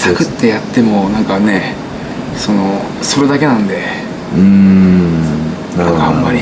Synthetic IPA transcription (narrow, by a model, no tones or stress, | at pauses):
sakɯ̟t̪ːe̞jat̪ːe̞mo̞nãŋkane̞ | so̞no̞ | so̞ɾe̞d̪ake̞nãnd̪e̞ | ɯ̃ | aamːaɾʲi